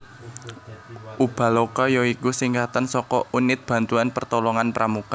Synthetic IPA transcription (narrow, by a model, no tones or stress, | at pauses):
ʔub̥a̤lokɔjoikusiŋkat̪ansɔkɔunɪt̪̚b̥a̤nt̪uanpərt̪ɔlɔŋanpɾʔamuka